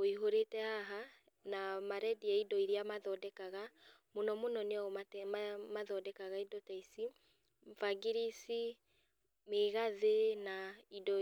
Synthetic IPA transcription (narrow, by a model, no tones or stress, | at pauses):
oiɦoɾetɛhaɦa | namaɾɛdiaidɔiɾjamaðɔdɛkaɣamonɔmonɔneaɔmatamaðɔdɛkaɣaidɔtaisi | faɡiɾisi | meɣaðenaidɔ